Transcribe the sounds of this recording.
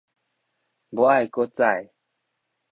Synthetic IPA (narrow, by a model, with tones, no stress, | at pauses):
bo˨˦a˥˨jko˦t͡sa˥˨j